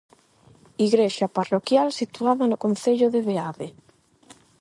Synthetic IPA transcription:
iɣɾeʃaparokjalsit̪uaðɐnʊkon̟θeʎʊðeβeaβe

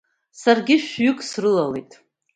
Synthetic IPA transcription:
sarɡʲɪʃᶣɥʏkʼsrɨlalḛjtʼ

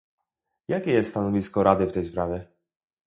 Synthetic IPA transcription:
jakʲɛjɛst̪st̪anɔvʲiskɔɾad̪ɘft̪ɛjspɾavʲjɛ

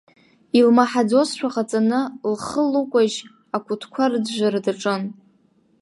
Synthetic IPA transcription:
ilmaħad͡zosʃʷᶣaqʼat͡sʼanɨlχəlukʷʼaʒ | akʷʰʼʊtʰkʷʰarɨd͡zʒʷaɾadaʈ͡ʂʼɨn

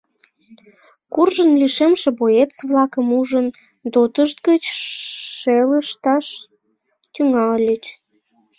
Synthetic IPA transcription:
kurʒənliʃemʃĕbojet͡sβlɑkəmuʒən | d̪ot̪əʃt̪̚ɡət͡ɕʃeləʃt̪ɑʃ | t̪yŋɑllʲyt͡ɕ

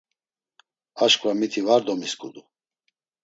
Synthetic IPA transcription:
aʃkʼvamit̪ʰivaɾd̪ɔmiskʼṵd̪u

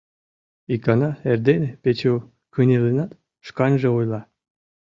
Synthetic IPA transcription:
ikɑnɑerd̪enepet͡ɕu | kɯnʲelenɑt̪ | ʃkɑnʲʒĕujlˠɑ

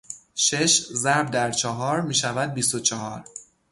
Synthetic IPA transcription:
ʃeʃzæɾb̚d̪æɾt͡ʃʰɒɦɒːɾmiːʃævæd̪̚bist̪ot͡ʃʰɒhɒ̰ːɾ

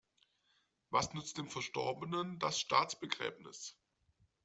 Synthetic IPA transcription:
vasnʏt͡st̚d̥eːmfɛɐʃtɔɐbənəndasʃtaːt͡sb̥əɡʁɛ̰ːbnɪ̰s

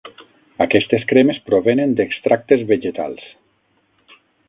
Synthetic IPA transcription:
akɛst̪eskɾemespɾoβenend̪ekst̪ɾak̚t̪ezβeʒet̪a̰lˠs

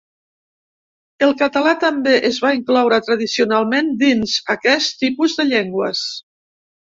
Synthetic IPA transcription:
əlˠkət̪əlat̪əmbeʔəzβaiŋklɔwɾət̪ɾəðisiunalˠmend̪inzəkɛst̪ipuzðəʎeŋɡwəs

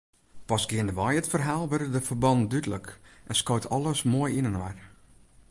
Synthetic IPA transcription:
pɔsɡ̥ɪəndəʋɔjətfərɦaːlˠʋərdəfərbɔndydələkʔɛnskoːtʰɔlˠəsmoːjinənʋar

